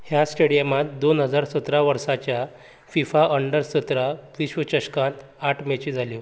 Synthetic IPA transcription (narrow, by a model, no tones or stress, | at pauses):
hjasʈeɽijəmat̪̚d̪onɦəd͡zaɾsət̪ɾaʋəɾsat͡ɕja | fifaʔəɳɖəɾsət̪ɾaʋiɕʋət͡ɕəɕkãnt̪ | aʈʰmet͡ɕid͡zʱaljo